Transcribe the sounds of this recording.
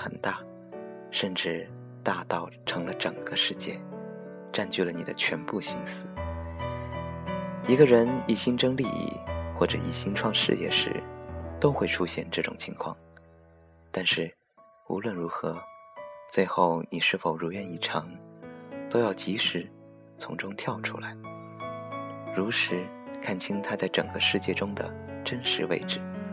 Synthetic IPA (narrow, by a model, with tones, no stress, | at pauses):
xə̰˨˩nt̪a˥˩ | ʂə˥˧nʈ͡ʂɻ̩˥˩ | t̪a˥˧t̪ɑ˥˩ʊʈ͡ʂʰɤ˧˥ŋlə˧ʈ͡ʂɤ˨˩ŋɡə˧ʂɻ̩˥˧t͡ɕjɛ̰˥˩ | ʈ͡ʂa˥˧nt͡ɕy˥˩lə˩ni˨˩d̪ə˦t͡ɕʰɥɛ˧˥npu˥˧˩ɕi˥nsɹ̩˥˩ | i˧˥ɡə˧ɻə˧˥ni˨˩ɕi˥nʈ͡ʂɤ˥ŋli˥˧ḭ˥˩xwɔ˥˩ʈ͡ʂɤ̰˧˩ḭ˨˩ɕi˥nʈ͡ʂʰwɑ˥˧ŋʂɻ̩˥˧jɛ̰˥˩ʂɻ̩̰˧˥t̪o˥ʊxwe˥˧ɪʈ͡ʂʰu˥ɕjɛ˥˧nʈ͡ʂɤ˥˩ʈ͡ʂʊ˨˩ŋt͡ɕʰi˧˥ŋkʰwɑ̰˥˩ŋ | t̪a˥˧nʂɻ̩˥˩ | ṵ˧˥lwə˥˩nɻu˧˥xɤ˧˥t͡swe˥˧ɪxo˥˩ʊni˨˩ʂɻ̩˥˩fo˨˩ʊɻu˧˥ɥɛ˧˥ni˥˩ʈ͡ʂʰɑ˧˥ŋ | t̪o˥ʊjɑ˥˩ʊt͡ɕi˧˥ʂɻ̩˧˥ | t͡sʰʊ̰˧˥ŋʈ͡ʂʊ˥ŋt̪ʰjɑ˥˩ʊʈ͡ʂʰṵ˥la˧˥ɪ | ɻu˧˥ʂɻ̩˧˥kʰa˥˩nt͡ɕʰi˥ŋt̪ʰa˥t͡sa˥˩ɪʈ͡ʂɤ̰˨˩ŋɡə˦ʂɻ̩˥˧t͡ɕjɛ˥˩ʈ͡ʂʊ˥ŋd̪ə̰˨˩ʈ͡ʂə˥nʂɻ̩˧˥wḛ˥˧ɪʈ͡ʂɻ̩˥˩